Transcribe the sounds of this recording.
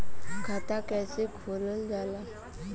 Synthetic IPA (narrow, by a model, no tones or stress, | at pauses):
kʰat̪akɛsikʰuləndala